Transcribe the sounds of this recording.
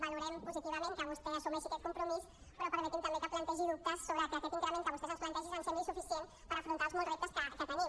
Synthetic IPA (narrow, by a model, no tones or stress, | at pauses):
baluɾɛmpuzit̪iβɐmẽŋkəβust̪ɛəsumɛʃiakɛt̪kumpɾumis | pɾɔpəɾmət̪imt̪ɐmbekəplɐnt̪ɛʒiðup̚t̪əsːoβɾəkəːkɛt̪iŋkɾəmenkəβust̪ɛzəsplɐnt̪ɛʒizansɛmisufisien | pəɾəfɾunt̪alˠzmɔlˠzrep̚t̪əskəkət̪ənim